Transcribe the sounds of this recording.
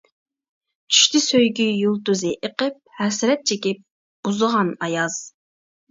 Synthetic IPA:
t͡ʃʰy̥ʃt̪ʰɪsøjɡʲyjulˠt̪uzɨʔeqəp̚hɛsɪɾɛt̪̚t͡ʃʰekʲip̚ | b̥uzəʁɑnɑjɑz̥

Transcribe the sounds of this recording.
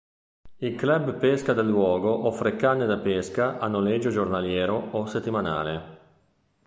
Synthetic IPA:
ilklɛbpeskad̪elːwɔːɡoʔɔfɾekanːed̪apeskaʔanːoled͡ʒːod͡ʒornaljɛːɾooset̪ːimana̰ːle

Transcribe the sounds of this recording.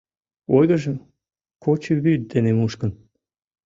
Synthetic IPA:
ojɣə̆ʒəm | kot͡ɕəβyt̪̚d̪enemuʃkən

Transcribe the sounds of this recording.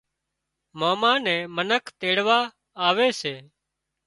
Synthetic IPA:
moːmãːnɛ̃ːmənəkʰt̪eːɽʋaː | aːʋeːseː

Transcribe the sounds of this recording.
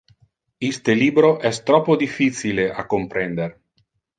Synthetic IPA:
ist̪eliːbɾoʔɛst̪ɾɔpːod̪ifːisileʔa̰kːompɾɛnd̪er

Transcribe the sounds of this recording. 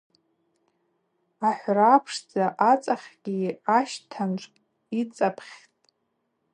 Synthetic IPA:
aħʷrapʰʂd͡zaʔat͡sʼaχʲɡʲiaʃtʰant͡ʃʷʰʼ | it͡sʼapʰχʲtʼ

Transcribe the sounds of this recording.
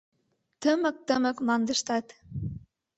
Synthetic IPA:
t̪əmə̆k̚t̪əmə̆kmlɑnd̪ə̆ʃt̪ɑt̪

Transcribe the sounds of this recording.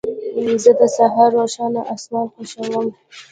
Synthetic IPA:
zəd̪əsaɦɑɾːoʃɑnaʔasnɑn̚peʃawəm

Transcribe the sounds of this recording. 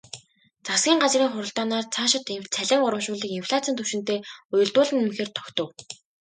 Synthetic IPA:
t͡sasɡʲiːŋɢat͡sriːŋχʊɾə̆ɬt̪aːnaːrt͡sʰaːʃɪ̆t̪t͡sʰæɮʲɪ̆ŋʊɾə̆mʃʊːɮiːkinfɮat͡sʰiːnt̪ʰɵwʃɪ̆nt̪eːʊjɵ̆ɮt̪ʊːɮɘ̆nemxeːrt̪ʰɔ̥kt̪ɞ̆w

